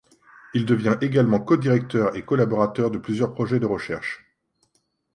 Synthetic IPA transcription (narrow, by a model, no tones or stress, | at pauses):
ild̪əvjɛ̃ʔeɡalmɑ̃kɔd̪iʁɛk̚t̪œʁekɔlabɔʁat̪œʁd̪əplyzjœʁpχɔʒɛd̪əʁəʃɛʁʃ